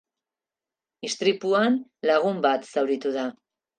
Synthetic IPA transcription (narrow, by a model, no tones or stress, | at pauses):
ist̪ɾipuanlaɣ̞umbat̪sawɾit̪uða